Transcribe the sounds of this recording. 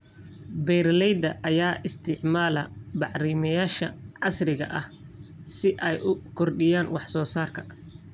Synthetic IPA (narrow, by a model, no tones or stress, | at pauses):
bɛjrlɛjd̪ɐʔɐjaːʔɪst̪ʰɪʕmaːlɐbɑʕɾiːmɐjaːʃɐʕɑsrɪɣɐ̰ʔɐhsɪʔɛjʊkʰɔrɗɪjaːnwɑħsɔːsaːrkʰɐ̥